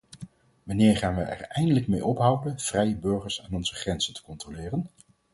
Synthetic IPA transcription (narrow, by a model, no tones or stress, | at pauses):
ʋanɪːɹχaːnʋəɛ̰ɹɛjndələkmejɔpɦʌwdənv̥rɛjəbɵɹχəɹsaːnɔnzəχrɛnz̥əntə̥kɔntrolɪːrən